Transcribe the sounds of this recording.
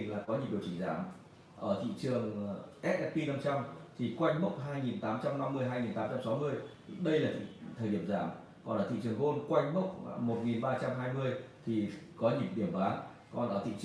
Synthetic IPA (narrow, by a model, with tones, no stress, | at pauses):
ŋlaː˨˩kɔ˨˦ɲi˧˩˨ɗi˨˩əwt͡ɕï˧˩ŋza̰ː˧˩m | ʔəː˧˩t̪ʰḭ˧˨t͡ɕɨ˨˩əŋʔɛ˦˥t̚ʔɛ˦˥pi˧na˧mt͡ɕa˧mt̪ʰi˨˩kwa˧jŋ̟mə˦˥wk͡p̚ɦaː˧jŋi˨˩nt̪aː˨˦mt͡ɕa˧mna˧mːɨ˧əjɦaː˧jŋi˨˩nt̪aː˨˦mt͡ɕa˧msa˨˦mɨ˧əj | ɗə˧jlaː˨˩t̪ʰḭ˧˨t̪ʰəː˨˩jɗi˧˩əmzaː˧˩m | kɔ˨˩nʔaː˧˩t̪ḭ˧˨t͡ɕɨ˨˩əŋɣo˧nkwa˧jŋ̟mə˦˥wk͡p̚mo˨˩t̚ŋi˨˩nɓaː˧t͡ɕa˧mɦaː˧jmɨ˧əjt̪ʰi˨˩kɔ˨˦ɲi˨˧˩k̚ɗi˧˩əmɓaː˨˦ | kɔ˨˩nʔəː˧˩t̪ʰḭ˧˨